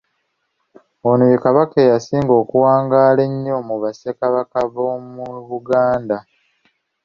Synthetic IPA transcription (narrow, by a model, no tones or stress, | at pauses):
onojekaβakejasiːŋɡo̞ːkuwaːŋɡaːle̞ɲːo̞muβasekaβakaβomuβuɡaːnda